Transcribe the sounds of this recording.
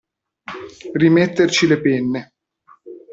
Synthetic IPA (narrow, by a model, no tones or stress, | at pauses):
rimet̪ːert͡ʃilepenːe